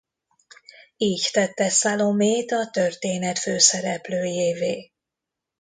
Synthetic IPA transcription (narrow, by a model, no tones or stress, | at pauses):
iːct̪ɛt̪ːɛsaːlomeːt̪ɒt̪ørt̪eːnɛt̪føːsɛɾɛpløːjeːveː